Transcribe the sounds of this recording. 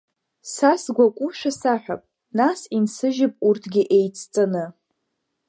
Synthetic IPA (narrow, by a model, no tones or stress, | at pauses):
sasɡʷakʷʼʊʃʷᶣasaħʷᶣa̰pʼ | nasinsɨʒɪpʼurtʰɡʲɪʔejt͡sʰʼt͡sʼɨnɨ